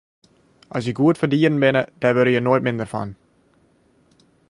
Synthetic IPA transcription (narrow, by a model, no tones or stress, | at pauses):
ʔɔsjəɡuətfərdiərn̩bɪnəd̥ɛʋøɾəjənojtmɪndərfɔ̰n